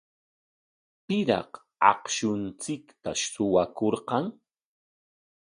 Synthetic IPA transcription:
pɪɾɑ̰q | ɑ̰qʃʊnt͡sɪkt̪a̰sʊwakoɾqɑŋ

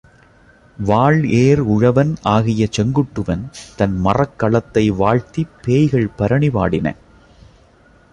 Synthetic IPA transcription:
ʋaːɭeːɾʊɻɐʋɐnaːɣɪjɐt͡ʃɛŋɡɯʈːɯʋɐnt̪ɐnmɐrɐkːɐɭɐt̪ːɐɪʋaːɻt̪ipːeːjɣɐɭpɐɾɐɳɪʋaːɽɪnɐ̰

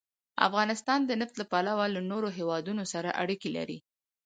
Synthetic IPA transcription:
a̰fɣɑnɪst̪ɑnd̪ənaft̪lapalawalanoɾoɦewɑd̪unosaɾa̰ʔaɽikila̰ɾḭ

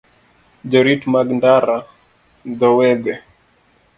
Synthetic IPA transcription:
d͡ʒɔɾitmaɡndaɾa | dɔwɛdɛ

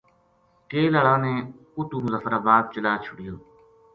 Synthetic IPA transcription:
keːlaːɭãːnẽː | ʊt̪ũːmʊzəːfəɾaːbaːd̪̚t͡ʃəlaːt͡ʃʰʊɽɪjoː

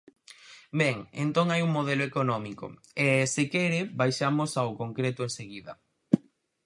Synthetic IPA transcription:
bɛŋḛnt̪oŋajuŋmoð̞eloekonɔmikʊ̰ | esɪkɛɾɪbajʃamosaʊkoŋkɾet̪ʊẽnseɣiðɐ

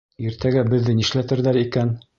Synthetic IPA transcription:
iɾt̪æɡæbɘ̆ðːɘniʃlæt̪ɘ̆ɾðæɾikæn

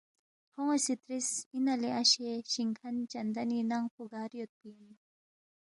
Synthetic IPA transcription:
hʰoŋosit̪ɾisinɐliaɕeɕiŋkʰɐnt͡ɕɐnd̪ɐninaŋpuɡaːɾjot̪̚pini

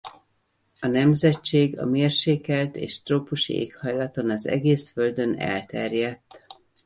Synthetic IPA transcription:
ɒnɛmzɛt͡ʃːeːɡɒ̰meːrʃeːkɛlt̪ḛːʃt̪roːpuʃḭḛːkhɒjlɒt̪o̞nɒzɛ̰ɡeːsfø̞ld̪ø̞nɛ̰lt̪ɛrjɛt̪ː

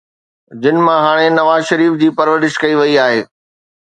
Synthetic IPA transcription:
d͡ʑɪnɪmãɦaːɽ̃enɐʋaːzʃɐɾiːfd͡ʑiːpɐɾʋəɾɪʃkɐiʋɐiaːɦeː

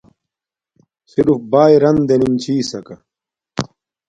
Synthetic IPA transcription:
siɾufbaːjɾɐnd̪enimt͡ɕʰiːsɐkɐ

